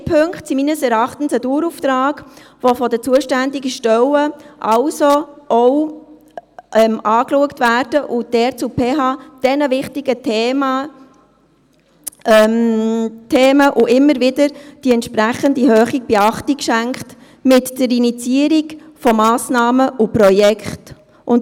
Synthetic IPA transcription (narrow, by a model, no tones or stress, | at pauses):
pʰøŋkχtsiminəsɛɾɑχtən̩səduːɾuft̪ɾɑːɡ̥ʋofɔdət͡suəʃtændiɡəʃtœwəʔɑlsoʔɔʊ | ʔɛmɑːkluəktvæːrd̥əʔʊd̥ɛːɾt͡supʰeːɦɑːd̥ɛnəvɪχtiɡətː | mtʰeːməʔʊʔɪmːəɾvɪdəɾd̥iɛntʃpɾæχəndihøːχiɡ̚b̥eɑχtikʃæŋkχt | mɪtd̥əɾinit͡siəɾiɡfɔmɑːsnɑːməʔʊpɾɔjɛkχt | ʔʊn